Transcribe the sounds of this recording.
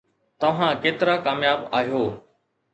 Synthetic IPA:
t̪ɐʋ̤ãːkeːt̪ɪɾaːkaːmjaːbaːɦijoː

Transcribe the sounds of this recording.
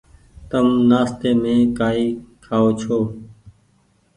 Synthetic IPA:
t̪əmnaːst̪eːmẽːkaːiːkʰaːoːt͡ʃʰoː

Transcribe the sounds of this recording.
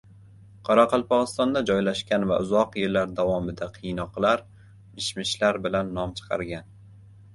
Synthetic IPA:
qʰɒɾaqʰɑlˠpʰɒʁɨst̪ɒnd̪ad͡ʒɒjlaʃkʲanva̰ʊzɒqjeɾlaɾd̪avɒmɪd̪aqʰɨjnɒqlˠaɾ | mɪʃmɪʃlaɾbɪlanːɒmt͡ʃʰɨ̥qʰɑ̰ɾɡʲan

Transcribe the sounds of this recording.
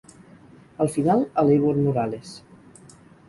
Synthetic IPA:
əlˠfinalˠəleβoɾnuɾales

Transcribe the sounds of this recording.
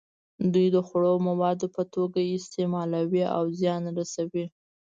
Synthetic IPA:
d̪ujd̪əxɽomawɑd̪opət̪oɡaɪst̪emɑlawia̰wzjɑnɾasawi

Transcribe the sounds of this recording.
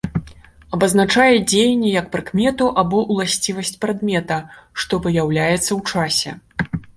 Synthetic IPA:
ɐbɐznat͡ʂajɛd͡zʲejnʲːɛjɐkpɾɨkmʲɛt̪uʔabɔʔwlˠasʲt͡sʲivɐsʲt͡sʲpɾad̪mʲɛt̪ɐʂt̪ɔvɨjawlʲajɛt̪sːɐwt͡ʂasʲɛ̰

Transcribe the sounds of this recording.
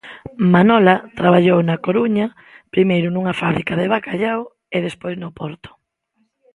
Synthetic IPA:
manɔlat̪ɾaβ̞aʎownakoɾuɲa | pɾimejɾʊnuŋafaβɾikaðeβ̞akaʎaw | eðespojznʊpɔɾt̪ʊ̥

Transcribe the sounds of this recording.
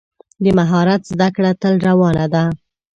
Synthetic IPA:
d̪əmaɦɑɾat̪zd̪akɽat̪əlɾawɑnad̪a

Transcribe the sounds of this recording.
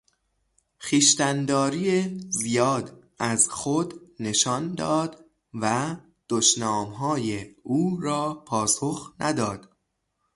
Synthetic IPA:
xiːʃt̪ænd̪ɒːɾiːezijɒːd̪ | æzxod̪ne̞ʃɒːnd̪ɒːd̪ | væ | d̪̥oʃnɒːmɦɒːjeuːɾɒːpʰɒːsoxnʔæd̪ɒːd̪̥

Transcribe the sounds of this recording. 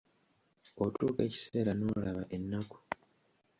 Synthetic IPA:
otuːke̞̰ːci̥se̞ːɾano̞ːlaβa̰ʔe̞nːaku̥

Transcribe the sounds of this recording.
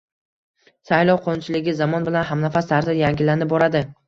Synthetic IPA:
sajlˠɒwqʰont͡ʃʰɪlɪɡʲɪzamɒnbɪlanɦamnafast̪aɾzajaŋɡʲɪlːanɪp̚bɒɾad̪ɪ

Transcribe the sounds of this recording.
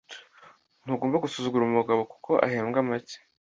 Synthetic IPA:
n̥uɡoːmbaɡusuzuɡuɾumuɡaβo̞ku̥kʰo̞ʔa̰ɦeːmɡamace̥

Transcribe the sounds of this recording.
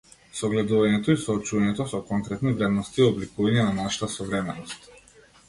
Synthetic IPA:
sɔɡlɛd̪uvaɲɛt̪ɔisɔːt͡ʃuvaɲɛt̪ɔsɔkɔŋkɾɛt̪nivɾɛd̪nɔst̪iɔblikuvaɲɛnanaʃḁt̪asɔvɾɛmɛnɔst̪

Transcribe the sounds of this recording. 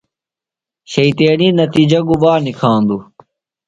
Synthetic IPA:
ɕɐit̪eːniːnɐt̪iːd͡ʑɐɡuʋaːnikʰãːnd̪u

